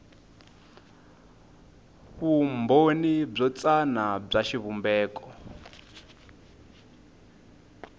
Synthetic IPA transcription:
βumbonib͡ʐɔt͡sʼanab͡ʐaʃiβumbɛːkʼɔ

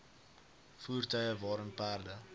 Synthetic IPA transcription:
fuːrtœjəvɑːɾənpæːrdə

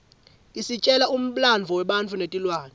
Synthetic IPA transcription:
kʼisit͡ʃʼɛlaum̩ɓland͡vʱɔwɛɓant͡fʰunetʼilwaːnɛ

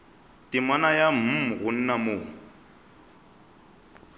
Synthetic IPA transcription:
tʼɪmanajam̩ɣʊn̩namo

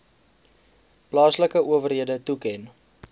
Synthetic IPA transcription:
plɑːsləkəuəvərɦiədətukɛn

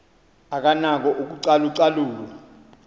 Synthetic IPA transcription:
ak̬anak̬ɔʔok̬uǀaluǀaluːk̬ɔ

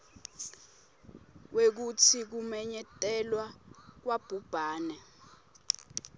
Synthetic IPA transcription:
wek̬utʰik̬umɛɲɛtʼɛlwak̬wab̥ʱub̥ʱaːnɛ

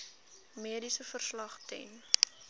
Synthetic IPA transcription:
miədisəfərslɐχtɛ̰n

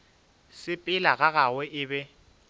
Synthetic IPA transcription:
sɪpʼɪlaɣaɣawɛʔɪːbɛ

